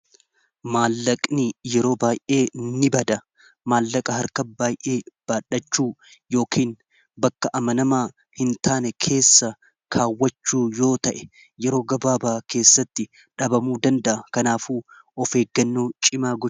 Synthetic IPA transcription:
maːlːɐkʼnijɛɾo̞ːbaːjʔe̞ːnːɪbɐd̪ɐ | maːlːɐkʼɐɦɐɾkɐbaːjʔe̞ːb̥aːᶑːɐt͡ʃːuːjo̞ːkʰiːn | bɐkːɐʔɐmɐnɐmaː | hɪnt̪aːnɛkʰe̞ːsːɐ | kʰaːwːɐt͡ʃːuːjo̞ːt̪ɐʔɛ | jɛɾo̞ːɡɐbaːbaːke̞ːsːɐt̪ːɪ | ᶑɐbɐmuːd̪ɐnd̪ɐʔɐkɐnaːfuː | ɔfe̞ːɡːɐnːuːt͡ʃʼɪmaːɡɔ

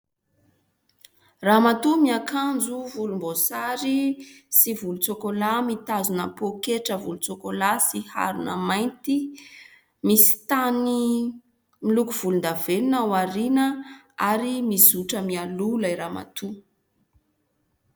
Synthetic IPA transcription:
ramat̪umiakand͡zuvulumbosaɾisivulut͡sokolamit̪azunəpokeʈ͡ʂəvulut͡sokolasiha̰ɾunə̰majnt̪i | misi̥t̪ani | milukuv̥ulund̪avelunawaɾinə | aɾimizuʈ͡ʂəmialulajɾama̰t̪u

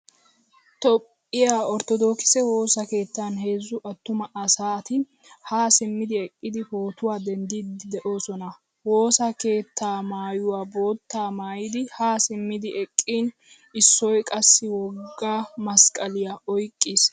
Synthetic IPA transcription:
t̪ɔpʼːɪjaːɔɾt̪ɔd̪o̞ːkɪ̥sɛwo̞ːsɐke̞ːt̪ːaːnhe̞ːzːʊʔɐt̪ːʊmɐʔɐsaːt̪ɪ | haːsɪmːɪd̪ɪɛkʼːɪd̪ɪho̞ːt̪ʊwaːd̪ɛnd̪iːd̪ɪd̪ɛʔo̞ːsɔnɐ | wo̞ːsɐke̞ːt̪ʰːaːmaːjʊwaːbo̞ːt̪ːaːmaːjɪd̪ɪhaːsɪmːɪd̪ɪʔɛkʼːiːn | ɪsːɔjkʼɐsːɪwɔɡɡːamɐskʼɐlɪjaɔjkʼːis

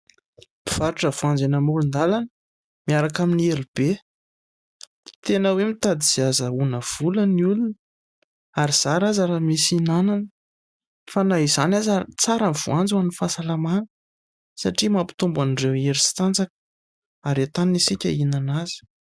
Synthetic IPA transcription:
b̥iv̥aɾiʈ͡ʂəvuand͡zenəmuɾund̪alanə | miaɾakaminieɾib̥e | t̪enəwemit̪ad̪iz̥iazəunəv̥uləniulunə | aɾiz̥aɾazaɾamisinananə | fanaɦizanazat͡saɾamvuand͡zwanifasalamanə̥ | sa̰ʈ͡ʂimapi̥t̪umbanireweɾisi̥t̪and͡zakə̥ | aɾet̪anisikʲainanaz̥i̥

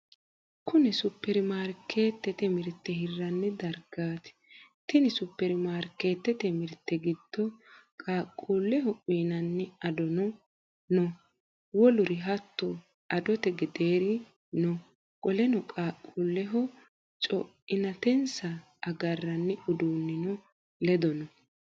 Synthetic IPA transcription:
kʊnɛsʊpːɛɾɪmaːɾkːeːt̪ːɛt̪ɛmɪɾt̪ːɛhɪrːɐnːɛd̪ɐɾɡaːt̪ɪ̥t̪ɪnɪsʊpːɛɾɪmaːɾke̞ːt̪ːɛt̪ɛmɪɾt̪ːɛɡɪd̪̥ːɔkʼaːkʼːuːlːɛhɔʔʼiːnɐnːɛɐd̪ɔnɔ | nɔ | wɔlʊɾɪɦɐt̪ːɔ | ɐd̪ɔt̪ɛɡɛd̪eːɾɪ | nɔ | kʼɔlɛnɔkʼaːkʼːulːɛɦɔ | t͡ʃʼɔʔɪnɐt̪ɛnsɐː | ɡɐrːɐnːɛʊd̪uːnːɪnɔ | lɛd̪ɔnɔ

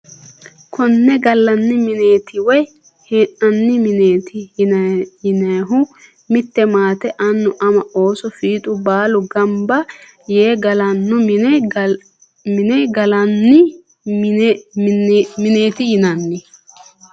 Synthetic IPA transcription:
kʰɔnːɛɡɐlːɐnːɪmɪneːt̪ɪwɔj | hɛʔɐnːɪmɪneːt̪ɪ | ɪnɐɦʊ | mɪt̪ːɛmaːt̪ɛʔɐnːʊʔɐmɐo̞ːsɔfiːt̪ʼʊbaːlʊɡɐmbɐ | jeːɡɐlɐnːʊmɪnɛ | mɪnɛɡɐlɐnːɪ | mɪneːt̪ɪjɪnɐnːɪ

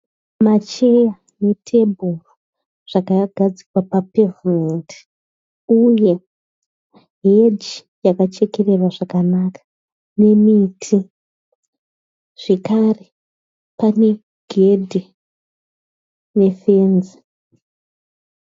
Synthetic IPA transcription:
mat͡ʃe̞ja | ne̞tʰe̞bʱuro | ʐ̥akaɡʱad͡zikwapapevmenti̥ | uje̞ | ɦed͡ʒi | jakat͡ʃe̞ke̞rerwaʐakanakḁ | ne̞mitʰi | ʐ̥e̞kare | pane̞ | ɡ̥ʱedʱi | ne̞fenzi

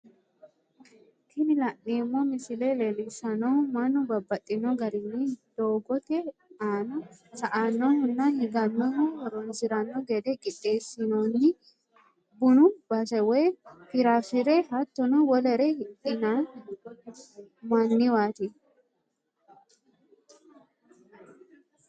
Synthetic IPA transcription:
kʰɪnɪlɐʔːimːomɪsɪlelɛlɪsɐnomɐnʊbɐbːɐt̪ʼːɪnɔɡɐɾɪnːid̪̥oːɡɔt̪ɛaːnɔsɐʔaːnːɔhʊnːahɪɡɐnːɔmɔhɐɾonsɪɾɐnːɔɡɛd̪ɛkʼɪᶑʼːeːsːɪnoːnːɪ | bʊnʊb̥ɐsɐwefɪɾaːfɪɾeɦɐt̪ːɔnuwɔlɛɾehɪtɪnaːn | mɐnːɪwaːt̪ɪ

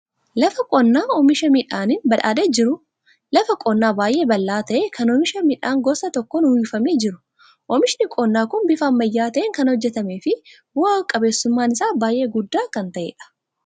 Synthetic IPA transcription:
lɐfɐkʼɔnːaːɔmɪʃɐmɪᶑaːnɪnbɐᶑa̰ːd̪eːd͡ʒɪɾʊ | lɐfɐkʼɔnːaːbaːjʔe̞ːbɐlːaːt̪ɐʔeːkʰɐnɔmɪʃɐmɪᶑaːŋɡɔsɐt̪ɔkːɔnhiːfɐmed͡ʒɪɾʊ̥ | ʔɔmɪʃnɪkʼɔnːaːkʊnbɪfɐɐmːɐjːaːt̪ɐʔeːŋkɐnhɔd͡ʒːɛt̪ɐmeːfɪ | bʊaːkʼɐbe̞ːsːʊmːaːnɪsaːbaːjʔe̞ːɡʊdːaːkɐnt̪ɐʔḛːᶑɐ̥

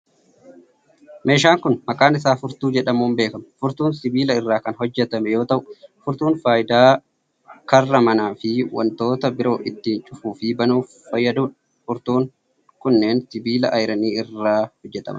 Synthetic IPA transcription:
me̞ːʃ̬aːŋkʊnmɐkaːnɪs̬aːfʊɾt̪uːd͡ʒɛᶑɐmuːmbe̞ːkɐmɐfʊɾt̪uːnsɪbiːlɐɪrːaːkɐnɦɔd͡ʒːɛt̪ɐmɛjo̞ːt̪ɐʔʊfʊɾt̪uːnfaːjɪd̪aː | kɐrːɐmɐnaːfɪwɐ̰nt̪o̞ːt̪ɐbɪɾo̞ːʔɪt̪ːiːnt͡ʃʼʊfuːfɪbɐnuː | fɐjːɐd̪uːn | fʊɾt̪uːŋ | kʊnːe̞ːnsɪbiːlɐʔɐjɾɐniːɪrːaːhɔd͡ʒːɛt̪ɐ̰mɐ̰

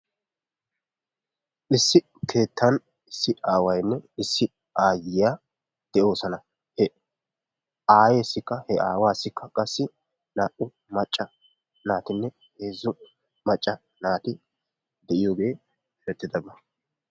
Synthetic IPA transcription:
ʔɪsːɪ | kʰe̞ːt̪ʰːɐn | ɪsːɪʔaːwɐjnːɛɪsːɪ | ʔaːjɪjaː | d̪̥ɛʔo̞ːsɐnɐ | hɛ | aːjeːsːɪkːɐhɛaːwaːsːɪkːɐkʼɐsːɪ | naːʔʼʊ | mɐt͡ʃʼːɐ | naːt̪ɪnːɛ | he̞ːzːʊ | mɐt͡ʃʼːɐ | naːt̪ɪ | d̪ɛʔɪjo̞ːɡe̞ː | ɾɛt̪ːɪd̪ɐbɐ

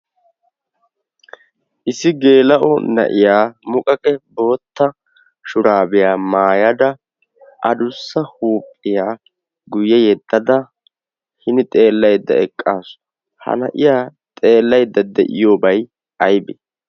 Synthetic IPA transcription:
ʔɪsɪɡe̞ːlɐʔɔnɐ̰ʔɪjaːmʊkʼɐkʼɛbo̞ːt̪ːɐ | ʃʊɾaːbɪjaːmaːjɐd̪ɐ | ʔɐd̪ʊsːɐhuːpʼːɪjaː | ɡʊjɛjɛd̪ːɐd̪ɐ | hɪnɪt̪ʼe̞ːlːɐjd̪ːɐ̰ɛkʼːaːsʊ̥ | hɐ̰nɐ̰ʔɪjaːt̪ʼe̞ːlːɐjd̪ːɐd̪ɛʔɪjoːbɐj | ʔɐjbɛ

